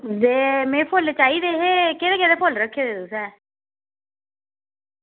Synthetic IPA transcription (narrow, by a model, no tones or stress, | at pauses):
d̪eːmẽːpʰolt͡ʃaːiːd̪eːɦeːkeːd̪eːkɛːd̪eːpʰolɾəkʰːeːd̪eːt̪ʊsɛː